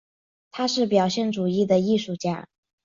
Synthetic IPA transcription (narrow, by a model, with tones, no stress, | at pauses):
t̪ʰa˥ʂɻ̩˥˩pjɑ˨˩ʊɕjɛ˥˩nʈ͡ʂu˨˩i˥˩d̪ə˩i˥˧ʂu˥˩t͡ɕja̰˥˩